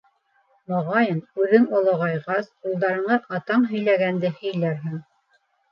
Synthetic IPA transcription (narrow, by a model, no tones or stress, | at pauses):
moʁɑjɤnʉðɘŋŏlˠɤʁɑjʁɑsulˠd̪ɑɾɤ̆ɴɤʔɑt̪ɑɴɦɵ̆jlæɡænd̪ɘhɵ̆jlæɾɦɘŋ